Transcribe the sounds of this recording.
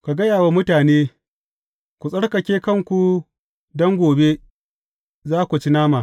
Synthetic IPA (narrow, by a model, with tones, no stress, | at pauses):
ka˨ɡɐ˦jaː˨wa˦mʊ˦taː˨neː˦ | kʷu˨sʼɐ˦ɽkɐ˨kʲeː˦kɐ˦ŋkʷu˨ | dɔ˦ŋɡʷoː˨be˦ | zaː˦kʷu˨t͡ʃi˦naː˦maː˨